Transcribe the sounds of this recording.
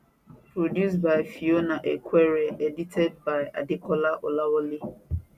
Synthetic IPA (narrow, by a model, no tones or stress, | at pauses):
pɾodjus̬baɪfionaʔḛkʷeɾeeditʰɛd̚baɪa̰dɪkɔlaʔolawɔli